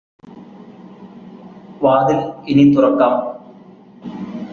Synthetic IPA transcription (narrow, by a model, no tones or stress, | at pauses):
ʋaːd̪ilinit̪urɐkːaːm